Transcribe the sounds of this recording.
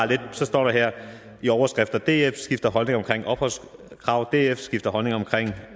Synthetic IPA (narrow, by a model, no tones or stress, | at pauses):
le̝d̥sɒ̽sd̥ɒ̰ːɾ̥ɑɦɛɐ̰ | iɒʊɐsɡ̥ʁɛfd̥ɐd̥e̝̰ːefsɡ̥ifd̥ɐɦɒ̽lne̝ŋɒmkʰʁeŋ̰ɒ̽b̥hɒ̽l̰skʰʁɑ̈ʊ̰d̥e̝̰ːefsɡ̥ifd̥ɐɦɒ̽lne̝ŋɐɒ̽mkʰʁeŋ̰